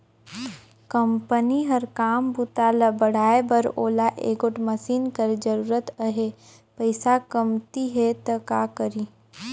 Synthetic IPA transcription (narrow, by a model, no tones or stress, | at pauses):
kɐmpəniɦəɾkaːmbut̪alɐbəɽ̤aːebəɾoːlaʔeːɡoʈməsiːnkəɾd͡ʒəɾuːɾət̪əɦe | pəɪsakɐmt̪iɦɛt̪ɐkaːkəɾiː